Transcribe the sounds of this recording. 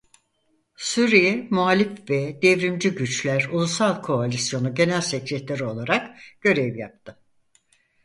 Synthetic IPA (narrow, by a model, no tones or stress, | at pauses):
suɾijɛmualʲifvɛd̪evɾimd͡ʒyɟyt͡ʃlʲæɾulˠusalˠkʰo̞alʲisjo̞nuɟe̞nælʲsɛcɾɛt̪lʲeɾio̞lˠaɾakɟ̥ø̞ɾɛvja̰p̚t̪ʰɯ